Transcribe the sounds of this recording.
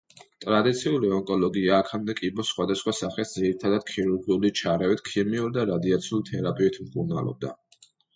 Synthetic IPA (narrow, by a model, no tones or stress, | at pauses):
t̪ʼɾad̪it̪sʰiuliɔŋkʼɔlˠɔɡiaːkʰamd̪ɛkʼibɔsχwad̪asχwasaχɛsd̪ziɾit̪ʰad̪ad̪̥̚kʰiɾuɾɡiulit͡ʃʰaɾɛvit̪ʰkʰiɾmiuɾid̪aɾad̪iat̪sʰiulˠt̪ʰɛɾapʼivɛt̪ʰmkʼuɾna̰lˠɔ̰b̚d̪a